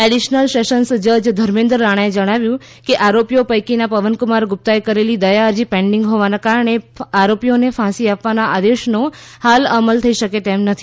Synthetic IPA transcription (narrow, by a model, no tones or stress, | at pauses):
ɛɽiʃnəlseʃənsd͡ʒəd͡ʒd̪ʱəɾmẽnd̪ɾəːaɽ̃aed͡ʒəɽ̃aʋjũ | keʔaɾopijopəjkinapəʋənkʊmaɾɡʊp̚t̪ajkəɾelid̪əjaəɾd͡ʒipɛ̃ɳɖɪŋɡɦoʋanakaɾəɳ̃eaɾopijonefʰãsiapʋanaʔad̪eʃnohaləməlt̪ʰəiʃəket̪emnət̪ʰi